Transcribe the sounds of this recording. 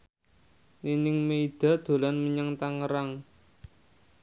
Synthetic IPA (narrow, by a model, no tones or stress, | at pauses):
ninɪŋmeid̪̥a̤d̪̥o̤lanməɲaŋt̪aŋəɾaŋ